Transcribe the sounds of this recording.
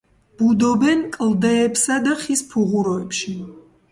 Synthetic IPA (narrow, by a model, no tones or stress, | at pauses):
b̥ud̪ɔbɛnkʼld̪ɛːpsad̪aχispʰuʁuɾɔɛpʃi